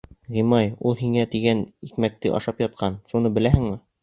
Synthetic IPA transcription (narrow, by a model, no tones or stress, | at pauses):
ʁimɑjulˠɦiŋæt̪iɡænit̪mæk̚t̪ɘʔɒ̰ʃɑpjɒt̪̚qʰɑnʃunɤbɘ̆læhɘ̆ŋmɘ